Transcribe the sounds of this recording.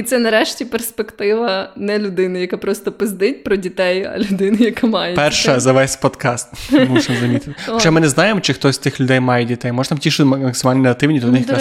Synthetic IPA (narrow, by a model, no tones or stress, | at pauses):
it̪sɛnɐɾɛʃtʲiperspekt̪ɪʋɐnɛlʲʊd̪ɪnɪjɐkapɾɔst̪ɔpɪzd̪ɪtʲpɾɔdʲit̪ɛjɐ̰lʲʊd̪ɪnɪjɐkamɑjepɛrʃɐzɐʋɛsʲpɔd̪kɑst̪muʃnɐzɐmʲit̪ɪɔɔt͡ʃɛmɪnɛznɑjemɔt͡ʃɪxt̪ɔsʲst̪ɪxlʲʊd̪ɛjmɑjɛdʲit̪ɛjmɔʒə̥t̪amtʲiʃɪɐmɐksɪmalʲnnɦɐt̪ɪwnʲid̪ʲɐnɪxka